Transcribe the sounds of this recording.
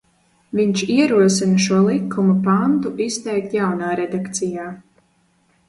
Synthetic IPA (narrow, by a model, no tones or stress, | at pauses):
viɲt͡ʃiɛɾuɔsinɐʃuɔlˠikʰːumupant̪uʔist̪ɛjk̚t̪jawnaːɾɛd̪akt̪sijaː